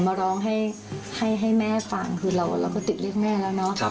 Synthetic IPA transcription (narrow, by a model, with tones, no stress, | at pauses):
maː˧ɾɔː˦˥ŋɦa˥˩j | ha˥˩jɦa˥˩jmɛː˥˩faː˨˩ŋkʰɯː˧ɾa˧wʔa̰˨˩lɛː˧˥wkɔː˥˩t̪i˨˩t̪̚li˥˩ək̚mɛː˥˩lɛː˦˥wnɔ˦˥ʔ